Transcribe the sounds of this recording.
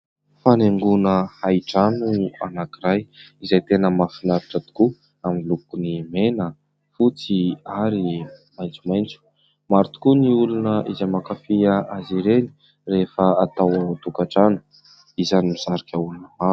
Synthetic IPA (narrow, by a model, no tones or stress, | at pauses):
faneŋɡunəhajiʈ͡ʂanua̰nakiɾajizajt̪enəmafinaɾaʈ͡ʂət̪u̥ku | amilukunimenə | fut͡siaɾimajnt͡sumajnt͡su̥ | maɾut̪u̥kuniulunəʔizamakafiəʔaziɾeni̥ | refəat̪awət̪ukaʈ͡ʂanu̥ | izanimiz̥aɾakʲaulunəmaɾu̥